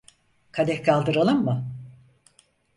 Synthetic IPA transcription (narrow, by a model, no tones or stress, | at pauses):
kʰad̪ɛckʰalˠd̪ɯɾalˠɯmmɯ